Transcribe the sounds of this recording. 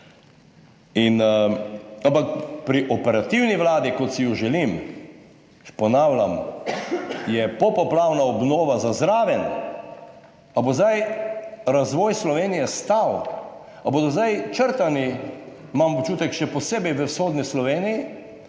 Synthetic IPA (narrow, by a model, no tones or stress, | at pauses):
in | ampakpɾiʔɔpɛɾat̪iwniʋlaːd̪ikɔt̪sijuʒɛlim | pɔnaːwlʲam | jɛpɔpɔplawnaɔbnoːʋazazɾaːʋɛn | abozd̪aj | ɾazʋɔːjslɔʋeːnijɛst̪aw | aboːd̪ɔzd̪ajt͡ʃəɾt̪animamot͡ʃuːt̪ɛkʃɛpɔseːbɛjʋəsxoːd̪nislɔʋeːniji